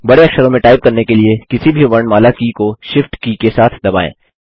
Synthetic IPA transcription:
bɐɽeɐkʃəɾõmẽʈaːɪb̚kɐɾnekeliekɪsibʱiʋɐɳmaːlakikoʃɪfʈkikesaːt̪ʰd̪ɐba̰ːḛ̃ː

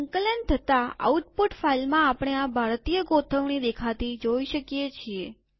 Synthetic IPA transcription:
əŋkələnt̪ʰət̪aa̰uʈpuʈfailmãapɽ̃eabʱaɾt̪ijəɡot̪ʰəʋnid̪ekʰat̪id͡ʒoiʃəkijet͡ʃʰie

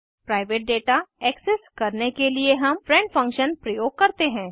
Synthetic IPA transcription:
pɾaːɪʋeːʈ̚ɖeːʈaɛːksɛskɐɾnekelieɦɐmfʰɾɛ̃ɳɖfʰɐ̃ŋkʃənpɾɐjoːɡ̚kɐɾt̪eɦɛ̃ː

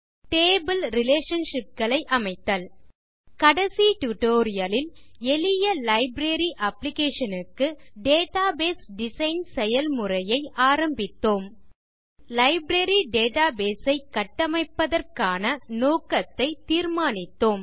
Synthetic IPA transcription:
ʈeːbɪlɾɪleːʂɐnʂɪp̚ɡɐɭɐɪʔɐmɐɪt̪ːɐl | kɐɽɐsiʈjʊʈoːɾɪjɐlɪlɛlɪjɐlɐɪbɾeɾiʔɐplɪkeːʂɐnɯkːɯɖeːʈaːbeːsɖɪsɐɪnsɛjɐlmʊrɐjɐɪʔaːɾɐmbɪt̪ːoːm | lɐɪbɾeɾiɖeːʈaːbeːsɐɪkːɐʈːɐmɐɪpːɐðɐrkaːnɐnoːkɐt̪ːɐɪt̪iːɾmaːnɪt̪ːoːm

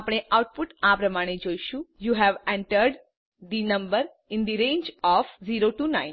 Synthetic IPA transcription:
apɽ̃eʔaʊʈ̚pʊʈapɾəmaɽ̃ed͡ʒoiʃũjuɦɛʋɛ̃ɳʈəɾɖ | d̪inəmbəɾ | ɪ̃nd̪iɾẽːnd͡ʒɔfziɾoʈunãɪ̃n

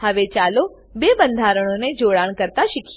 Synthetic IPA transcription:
hɐʋet͡ʃaːlo | beːbə̃nd̪ʱaːɾəɽ̃õned͡ʒoːɽaːɽ̃kəɾt̪aʃɪkʰ

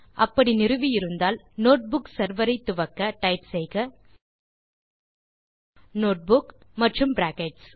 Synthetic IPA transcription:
ʔɐpːɐɽinɪɾɯʋijɪɾɯnd̪aːl | noːʈ̚bʊksɐɾʋɐɾɐɪt̪ːʊʋɐkːɐʈɐɪpsɛjɣɐ | noːʈ̚bʊkmɐʈrɯmpɾaːkeʈs

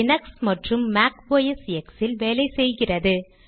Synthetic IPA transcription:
ɪnɐksmɐʈrɯmːaːkʋoːjɐsɛksɪlʋeːlɐɪsɛjɣɪrɐðɯ

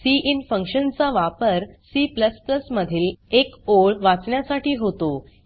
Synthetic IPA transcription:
siʔinfəŋkɕənt͡saʋapəɾsiːpləspləsməd̪ʱiːlekoɭʋat͡sɳjasaʈiːɦot̪o

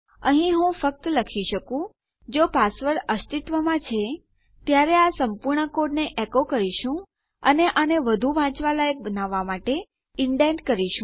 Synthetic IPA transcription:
əɦĩɦũfək̚t̪ləkʰiʃəkũ | d͡ʒopasʋəɾəst̪it̪ʋəmãt͡ʃʰe | t̪jaɾeasəmpuɾɳəkoɖneʔekokəɾiʃũ | ə̰neʔaneʋəd̪ʱuʋãt͡ʃʋalajək̚bənaʋːamaʈe | ɪɳɖenɖkəɾiʃũ

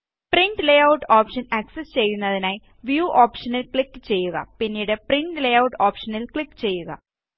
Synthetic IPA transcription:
priɳɖlejɐwʈoːpʂɐnɐksest͡ɕe̞jːunːɐðinaːj | ʋjuːʔoːpʂɐnilkɭikːɨt͡ɕe̞jːuɣɐ̰pinːiːɽepriɳɖlejɐwʈoːpʂɐnilkɭikːɨt͡ɕe̞jːuɣɐ̰

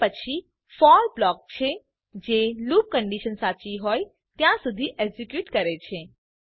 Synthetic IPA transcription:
ət͡ʃʰi | fɔɾblɔk̚t͡ʃʰe | d͡ʒeluːp̚kəɳɖiʃənsat͡ʃiɦoːj | t̪jãsud̪ʱiʔeɡzikjuːʈkəɾet͡ʃʰe

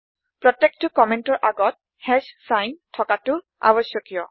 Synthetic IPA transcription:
pɹɔtɛk̚tʊkɔmɛntɔɹʔaɡɔt̚ | hɛzsajntʰɔkatʊ | a̰bɔsjɔkijɔ

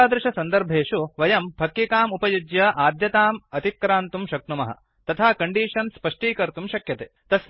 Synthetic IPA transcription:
aːd̪ɾɪʃɐsɐnd̪ɐɾbʱeːʂuʋɐjɐmpɐkjikaːmupɐjud͡ʒjɐʔaːd̪jɐt̪aːmɐt̪ikːɾaːnt̪umʃɐknumɐɦɐ̰ | t̪ɐt̪ʰaːkɐɳɖiːʂɐnspɐʂʈiːkɐɾt̪umʃɐkjɐt̪eːt̪ɐs

